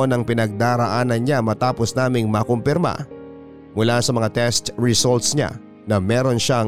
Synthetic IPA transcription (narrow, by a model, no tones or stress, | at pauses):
onɐŋpɪnɐɡ̚d̪aːɾɐʔaːnɐnɲamɐt̪aːposnaːmɪŋmɐkompɪɾma̰ | mʊlasɐmɐŋat̪ɛst̪ɹɪsolt̪̚sɲa̰ | nɐmɛːɾo̞nʃa